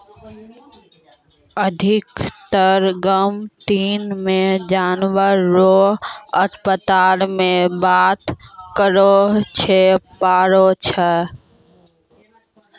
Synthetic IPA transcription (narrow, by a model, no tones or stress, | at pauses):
əd̪ʱɪkt̪əɾɡəmt̪iːnmẽd͡ʒaːnwəɾːoɦət̪pət̪aːɾmẽbaːt̪kəɾot͡ʃʰepaːɾot͡ʃʰə